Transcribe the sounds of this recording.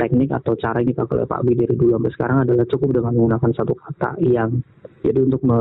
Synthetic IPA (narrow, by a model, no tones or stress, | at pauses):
t̪ɛk̚nɪka̰t̪awt͡ʃaɾaiŋit̪akəl̰ɛ̰pa̰ʔbidaɾidulambəsə̥kaɾaŋadalaht͡ʃukʊp̚dəŋanməŋɡunakansat̪ukat̪a̰ʔjaŋ | d͡ʒa̰diunt̪ʊk̚mə